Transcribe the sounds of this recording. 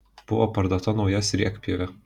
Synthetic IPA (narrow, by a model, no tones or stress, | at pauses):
b̥ʊʋɔpɐɾd̪oːt̪ɐnɒʊjɛsʲɾʲiɛkpʲilʲɛ